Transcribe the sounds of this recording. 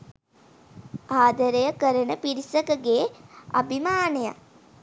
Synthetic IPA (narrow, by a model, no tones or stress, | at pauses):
aːd̪əɾejəkəɾənəpiɾisəkəɡeːa̰bʱimaːneja̰